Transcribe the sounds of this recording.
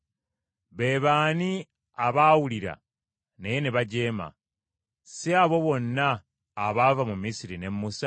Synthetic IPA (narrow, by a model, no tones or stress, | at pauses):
βe̞ːβaːni | aβaːwuliɾa̰ | nejeniβaɟe̞ːma̰ | siaβo̞βo̞nːaː | βavamumiːsiɾine̞mːusa